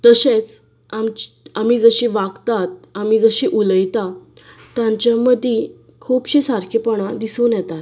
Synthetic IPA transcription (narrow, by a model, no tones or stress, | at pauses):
t̪əɕet͡s | am | am̤iːd͡zəɕiʋaɡt̪at̪̚amiːd͡zəɕiːʔuləjt̪a | t̪jãɲt͡ɕjaməd̪ʱi | kʰuːpɕisaɾkʰepɔɽ̃ad̪isuːnjɛt̪at̪